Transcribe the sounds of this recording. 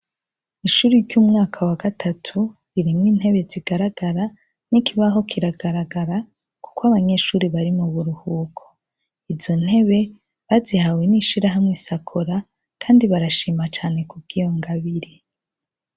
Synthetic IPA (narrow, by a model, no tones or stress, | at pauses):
iʃuːɾiɾɟuːmŋaːkʰawaɡatʰatʰu | βiɾimŋiːnhe̞βe̞ziɡ̥aɾaɡaɾa | nikʰiβaɦo̞kʰiɾaɡaɾaɡaɾa | ku̥kwaβaɲe̞ʃuːɾiβaɾimuβuɾuhuːkʰo̥ | ivzo̞n̥he̞βe̞ | βazihaweniʃiɾaɦamŋesakʰoɾa | kʰaːndiβaɾaʃiːmat͡ʃaːne̞kub̚ɡijoŋɡaβiɾi